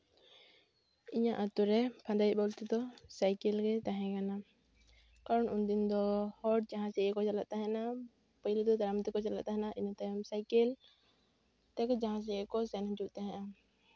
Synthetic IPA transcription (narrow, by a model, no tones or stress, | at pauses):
iɲaʔat̪uɾɛpʰãd̪aj̚bɔlt̪ɛd̪ɔsajkɛlɡɛt̪aɦɛ̃kana | kaɾɔnund̪ind̪ɔhɔɖ̚d͡ʒãɦãsɛɛkɔt͡ʃala̰ʔ̪̚t̪aɦɛ̃na | pəjlɛd̪ɔd̪aɾamt̪ɛkɔt͡ʃalaʔ̪̚t̪aɦɛnaʔiɲat̪ajɔmsajkɛl | t̪ɛkd͡ʒaɦãs̬ɛkɔsɛnd͡ʒuʔt̪aɦɛ̃ʔa